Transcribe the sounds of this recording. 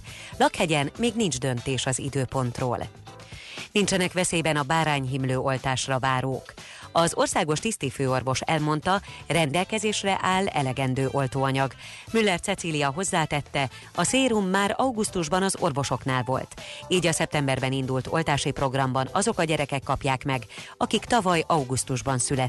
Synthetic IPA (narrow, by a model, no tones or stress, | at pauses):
lɒkhɛɟɛnmeːɡnind͡ʒd̪ø̞nt̪eːʃɒzḭd̪øːpo̞nt̪ro̰ːl | nint͡ʃɛnɛkʋɛseːbɛnɒbaːɾaːɲɦimløːo̞lt̪aːʃrɒvaːɾoːk | ɒzo̞rsaːɡo̞ʃt̪ist̪iføːo̞rvo̞ʃɛlmo̞nt̪ɒrɛnd̪ɛlkɛzeːʃrɛʔaːlɛ̰lɛɡɛnd̪øːʔo̞lt̪oːɒɲɒɡmylːɛrt̪sɛt̪silijɒɦo̞zːaːt̪ɛt̪ːɛ | ɒseːɾumːaːɾɒuɡust̪uʒbɒnɒzo̞rvo̞ʃo̞knaːlvo̞lt̪iːɟɒsɛp̚t̪ɛmbɛrbɛnind̪ult̪ʰo̞̰lt̪aːʃipro̞ɡrɒmbɒnɒzo̞kɒɟɛɾɛkɛkːɒpjaːkmɛɡɒkikt̪ɒvɒjɒuɡust̪uʒbɒnsylɛt̪